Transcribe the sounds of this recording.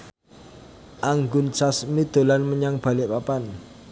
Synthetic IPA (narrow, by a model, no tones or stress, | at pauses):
ʔaŋɡʊnt͡ʃasmid̪̥o̤lanməɲaŋb̥a̤lɪʔpapan